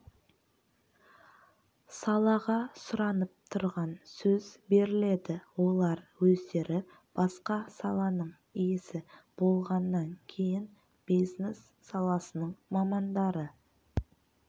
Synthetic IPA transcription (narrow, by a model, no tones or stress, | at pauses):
sɑlˠɑʁɑsʊɾɑnəp̚t̪ʰʊɾʁɑnsɵzbe̞ɾɪle̞d̪ɪwo̞lˠɑɾwɵzd̪e̞ɾɪ | b̥ɑsqɑsɑlˠɑnəɴ | ijɪsɪb̥o̞lˠʁɑnːɑŋkʲʰejɪn | b̥iznesːɑlˠɑsənəɴmɑmɑnd̪ɑɾə